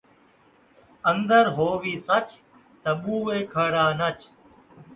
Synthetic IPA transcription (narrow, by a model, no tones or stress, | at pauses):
ənd̪əɾɦoːʋiːsət͡ʃ | t̪əɓuːʋeːkʰəɽaːnət͡ʃ